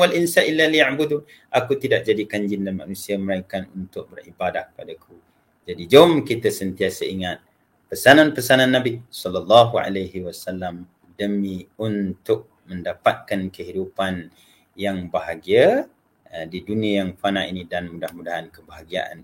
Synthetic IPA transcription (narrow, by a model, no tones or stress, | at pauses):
walʔinsaʔilːalijaʕbud̪u | ʔakut̪idaʔ̚d͡ʒadikaɲd͡ʒɪndanma̰nusiaməɾaikanunt̪ʊk̚bərḭbadahkə̥padakʰu | d͡ʒadid͡ʒaʊmkit̪asənt̪iasəiŋat̪̚ | pərsananpərsananːãbisɔlalːaɦua̰lajɦiwasalːam | dəmiunt̪ʊk̚ | məndapat̪̚kankəɦidupan | jaŋbaɦaɡia | diduniajaŋfanainĩdanmudahmudaɦankəbaɦaɡia̰ʔa̰n